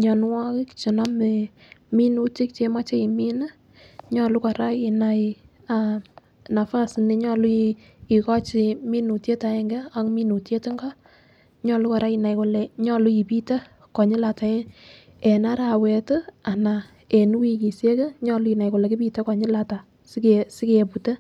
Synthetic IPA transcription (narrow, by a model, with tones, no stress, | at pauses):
ɲɔ˨n˦wɔ˦kɪ˦kt͡ʃi˨nɔ˦me | mi˦nu˦ti˦kt͡ʃe˧ma˦t͡ʃe˦i˨mi˦nə˦ | ɲɔ˦lu˦ka˨ɾa˦ki˨na˨j | a˨ | na˨fa˦sne˦ɲɔ˦˨lu˦ | i˨kɔ˦t͡ʃɪ˨mi˦nu˨tje˦ta˨ɛ˦ŋɡɛ˦a˨˦ŋmi˦nu˨tje˦tɪ˦ŋɡɔ˦ | ɲɔ˦˨lu˦ka˨ɾa˦ki˨na˨jkɔ˨lɛ˨ɲɔ˦˨lu˦i˨pi˦ta˦ | kɔ˨ɲɪ˦la˨ta˨e˦ | ɛ˨na˦ɾa˨wɛ˨tə˦a˨na˨ | e˨nu˦wi˧ki˨sje˦ke˦ɲɔ˦˨lʊ˦i˨na˨jko˨lɛ˨ki˦pi˦ta˦kɔ˨ɲɪ˦la˨ta˨ | sksɪ˦ke˨pu˨te˦